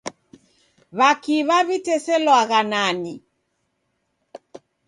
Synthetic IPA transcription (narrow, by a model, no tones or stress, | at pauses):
βakiβaβitɛsɛlwaɣanani